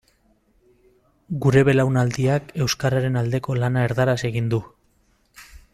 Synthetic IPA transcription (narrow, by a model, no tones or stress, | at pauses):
ɡuɾe̞βe̞lawnald̪iake̞wskaɾaɾe̞nald̪e̞ko̞lanae̞ɾðaɾase̞ɣind̪u